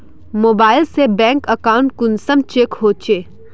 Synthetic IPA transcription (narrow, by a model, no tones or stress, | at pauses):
moːbaːɪlsebɛ̃ːŋkəkaːʊɳʈ̚kʊnsəmt͡ʃeːkɦoːt͡ʃeː